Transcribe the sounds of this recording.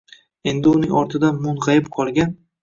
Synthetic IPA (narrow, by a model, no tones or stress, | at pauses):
e̞nd̪ɪʊnɪŋʲɒɾt̪ʰɪd̪anmʊnʁɑjɪpqʰɒlˠɡʲan